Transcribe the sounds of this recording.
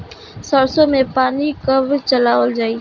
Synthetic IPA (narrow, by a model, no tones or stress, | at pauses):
səɽsõːmẽpaːnikəbʱt͡ʃəlaːʋəld͡ʒaːiː